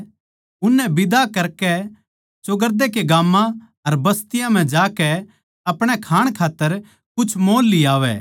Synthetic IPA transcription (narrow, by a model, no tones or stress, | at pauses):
ʊnːɛbɪd̪akɐɾkɛ | t͡ʃʊɡəɾd̪ekeɡaːmːã | ɐɾbɐst̪ɪjãm̤ɛ̃d͡ʒaːkɛ | ɐpɽ̃ɛkʰaːɽ̃kʰaːt̪ːəɾ | kʊt͡ʃʰmoːlːiaːʋɛ̰ː